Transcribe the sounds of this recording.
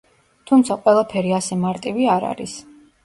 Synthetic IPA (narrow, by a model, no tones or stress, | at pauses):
t̪ʰumt̪sʰaqʼwɛlˠapʰɛɾiasɛmaɾt̪ʼiviaɾa̰ɾḭs